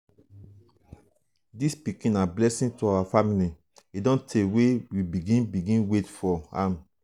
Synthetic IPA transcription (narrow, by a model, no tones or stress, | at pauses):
dispikĩnablɛsĩntuawafamili | idɔ̃ntʰewewibiɡĩnbiɡĩnwetfɔã̰m